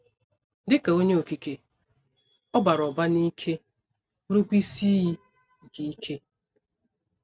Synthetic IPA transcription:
dɪ˦ka˨o˦ɲe˦o˨ki˨ke˨ | ɔ˦ba˨ɾɔ˨ba˦ni˦kʰe˦ | ɾu˦kʷi˦si˦i˦ | ɡi˨i˦kʰe˦

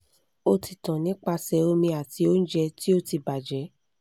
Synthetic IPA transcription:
o˧ti˨tã˨nĩ˨˦k͡pa˧sɛ˧˦o˧mĩ˧a˨ti˧˦o˦n̩˦d͡ʒɛ˧ti˦o˦ti˧ba˨d͡ʒɛ˨˦

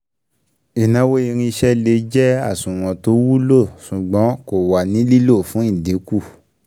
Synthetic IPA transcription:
i˨nã˧˦wo˦i˧ɾ̃ĩ˧ʃɛ˦le˧d͡ʒɛ˦a˦˨sũ˨w̃ɔ̃˨to˨˦wu˦lo˦˨su˨ɡ͡bɔ̃˨˦ko˨wa˨nĩ˨˦li˦lo˦˨fũ˨˦ĩ˦˨de˨˦ku˦˨

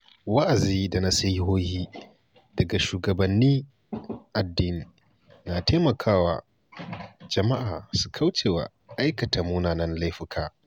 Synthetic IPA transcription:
wɐ˦ʔa˨ziː˦da˨na˦sa˦ji˦ɦoː˦hiː˦ | d̥ɐ˨ɡa˨ʃuː˨ɡɐ˨bɐ˨nːiː˦ | ʔa˨dːiː˦n˨ | naː˨teː˦mɐ˨kʰaː˦wa̰ː˨ | d͡ʒɐ˨ma˦ʔaː˨su̥˨kʰɐ˦wt͡ʃeː˨wa̰˨ | ʔa˦jkɐ˨ta˨muː˦naː˨nɐ˦nla˦jɸɪ˦kʰaː˦

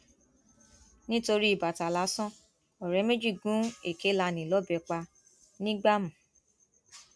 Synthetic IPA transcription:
nĩ˦to˧ɾi˦i˦˨ba˨ta˨la˨˦sɔ̃˦ | ɔ˨ɾɛ˨˦me˦d͡ʒi˦˨ɡũ˨˦e˨ke˦la˧nĩ˨lɔ˨˦bɛ˧k͡pa˧ | nĩ˦ɡ͡ba˦mũ˨

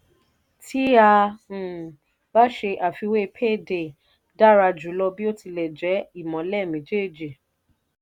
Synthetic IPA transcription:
tʰi˦ã˧˨ | ba˦ʃe˧ʔa˨fi˧we˦˧pʰe˦˨de˨ | da˦˨ɾa˧d͡ʒu˨˦lɔ˧bi˦o˦ti˧lɛ˨d͡ʒɛ˨˦i˦˨mɔ̃˨˦lɛ˦˨mĩ˨˦d͡ʒe˦˨d͡ʒi˨

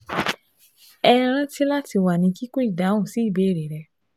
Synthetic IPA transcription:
ɛ˧ɾ̃ã˦ti˦la˦ti˧wa˨nĩ˧ki˦ko˦i˦˨da˨˦ũ˦˨si˨˦i˦˨be˨˦˨ɾe˨ɾɛ˧˦

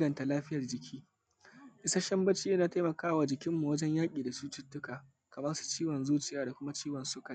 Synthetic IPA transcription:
ɡɐ˨nta˨laː˦ɸɪ˦jɐ˨rd͡ʒɪ˨kʲʰiː˦ | ʔɪ˦sa˦ʃɐ˦mbɐ˦t͡ʃi˦na˦ta˦jmɐ˨kaː˦waː˨d͡ʒɪ˨kʲɪ˦mːu˨wɐ˦d͡ʒɛ˦ɲjaː˦kʲʼiː˨da˨suː˦tʊ˦tːʊ˦kaː˨ | kɐ˨mɐ˦su̥˨t͡ʃiː˦wɔ˨nzuː˦t͡ʃɪ˨jaː˦da˨kʷʊ˦ma˦t͡ʃiː˦wɔ˨nsʊ˦kɐ˨˦

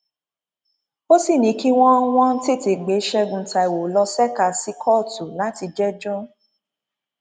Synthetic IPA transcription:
o˦si˦˨nĩ˨˦ki˦w̃ɔ̃˦w̃ɔ̃˦n̩˦te˦˨te˨ɡ͡be˨˦ʃɛ˧ɡũ˨ta˧i˨wo˨˦lɔ˧sɛ˦˨ka˧˨si˦kʰɔ˦˨tu˨la˨˦ti˧d͡ʒɛ˦d͡ʒɔ˦

